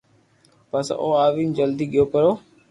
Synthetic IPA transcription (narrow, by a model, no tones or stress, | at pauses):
pəsʔo̰ːaːʋiːnd͡ʒəld̪iːɠɪjoːpəɾoː